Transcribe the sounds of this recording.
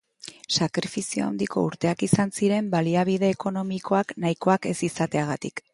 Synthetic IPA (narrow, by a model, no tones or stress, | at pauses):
sakɾifisioa̰wnd̪ikʰo̞uɾt̪e̞akisansiɾe̞mbaliaβiðe̞ːko̞no̞miko̞aknaiko̞ake̞sisat̪e̞aɣ̞at̪ik